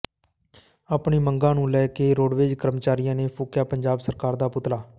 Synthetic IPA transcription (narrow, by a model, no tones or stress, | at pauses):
aːpɳiːməŋɡãːnũːlɛːkeːɾoːɽʋeːd͡ʒkəɾmət͡ʃaːɾɪjãːneːpʰʊːkjaːpəɲd͡ʒaːbsəɾkaːɾd̪aːpʊt̪laː